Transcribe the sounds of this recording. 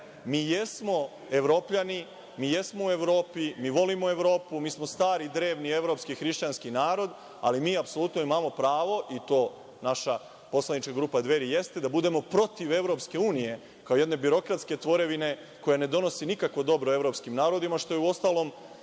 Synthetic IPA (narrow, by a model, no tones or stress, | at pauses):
miːjesmo̞ | eʋɾo̞ːpʎani | miːje̞smo̞ue̞ʋɾo̞ːpimiːʋo̞limoe̞ʋɾo̞ːpumiːsmo̞st̪aːɾid̪ɾe̞ːʋnie̞ʋɾo̞pskixɾiʃt͡ɕanskinaːɾo̞d̪ | a̰limiːapso̞lˠut̪no̞imamo̞pɾaːʋo̞ʔit̪o̞ː | naʃa | po̞slˠanit͡ʃkaɡɾuːpad̪ʋe̞ɾije̞st̪e̞d̪abud̪e̞mo̞pɾo̞t̪iʋe̞ʋɾo̞ːpske̞uːnije̞ | kaoje̞d̪ne̞biɾo̞kɾat̪ske̞t̪ʋo̞ɾe̞ʋine̞ | ko̞jane̞d̪o̞no̞sinikakʋo̞d̪o̞bɾo̞e̞ʋɾo̞pskimnaːɾo̞d̪imaʃt̪o̞jeuo̞st̪aːlˠo̞ːm